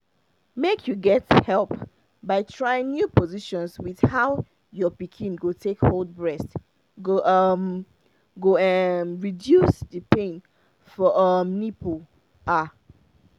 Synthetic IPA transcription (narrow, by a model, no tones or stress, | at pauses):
mekʰjuɡɛthɛlˠp | baɪtʰɹaɪɪ̃ŋnjupɔziʃɔ̃nswið̥haʊ | jɔpikʰĩnɡotʰekhold̚bɹɛst | ɡoʔm | ɡoɛmɹidjusdəpẽn | fɔʔʌmnipʰo | ʔa